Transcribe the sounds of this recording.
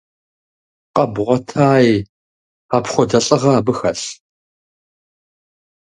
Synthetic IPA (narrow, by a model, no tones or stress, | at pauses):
qɐbʁʷɔtʰaːj | aːpχʷɔdɐɬʼɐʁɐaːbɨxɐɬ